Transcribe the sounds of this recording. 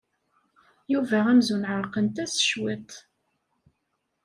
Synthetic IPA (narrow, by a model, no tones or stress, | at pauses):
juvææmzunʕəɾˤqənt̪æsə̥ʃwit̪ˤ